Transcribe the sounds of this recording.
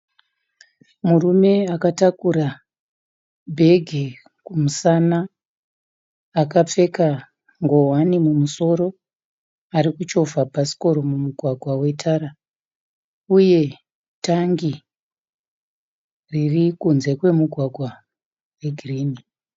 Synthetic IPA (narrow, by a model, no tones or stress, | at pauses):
murume̞akatakuɾa | bʱe̞ɡʱe | kumusana | kap͡fe̞ka | ŋɡo̞wanimumuso̞ɾo̞ | aɾikut͡ʃo̞fapasi̥ko̞ɾo̞mumuɡʱwaɡʱwawe̞tʰaɾa | uje̞ | taŋɡi | ririkunze̞kwe̞muɡʱwaɡʱwa | we̞ɡʱiriːni